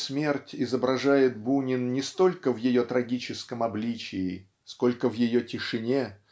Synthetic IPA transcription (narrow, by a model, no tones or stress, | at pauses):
smʲe̞rtʲɪzəbɾɐʐajɪt̪̚bunʲɪnnʲɪst̪o̞lʲkəvjɪjo̞t̪ɾɐɡʲit͡ɕɪskəmɐblʲit͡ɕɪː | sko̞lʲkəvjɪjotʲɪʂɨnʲe̞